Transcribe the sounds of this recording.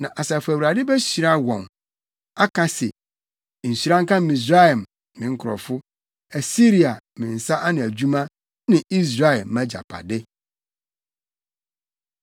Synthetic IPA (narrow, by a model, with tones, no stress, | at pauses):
nã˨ʔa˨sa˨fʊ˨æ˨wu˨ɾa˨dɪ˦bɛ˦ɕi˨ɾa˦wɔ̃˨n | a˦kʰã˦sɛ̰˨ | n̩˨si˨ɾã˦ŋ˦kã˦m˦mĩ˨s̬ɾa˦ɛ˨m | mɪ̃˨ŋ̩˦kʰʊ˨ɾɔ̰˨fʊ˦ | æ˨si˦ɾi˨a˨ | mɪ̃˨n̩˨sa˦ʔa˦nɪ̃˨æ˨d͡ʑu˦mã˦ | nɪ̃˨ʔi˦s̬ɾa˦ɛ˨lmã˦d͡ʑa̰˨pʰa̰˨dɪ˦